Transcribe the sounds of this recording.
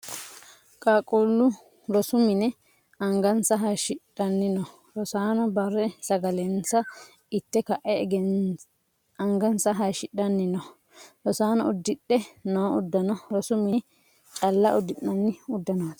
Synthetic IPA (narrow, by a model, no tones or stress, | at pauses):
kʼaːkʼuːlːʊ | ɾɔsʊmɪnɛ | ɐŋɡɐnsɐɦɐjʃɪᶑɐnːɪnɔ | ɾɔsaːnɔbɐrːɛsɐɡɐlɛnt͡sːɐ | ɪt̪ːɛkɐʔɛɛɡɛn | ɐŋɡɐnsɐɦɐjʃɪɗɐnːɪnɔ | ɾɔsaːnɔʊd̪ːɪɗːɛnoːʊd̪ːɐnɔɾɔsʊmɪ | t͡ʃʼɐlːɐʔʊd̪ːɪʔːɐnːɪʊd̪ːɐnoːd̪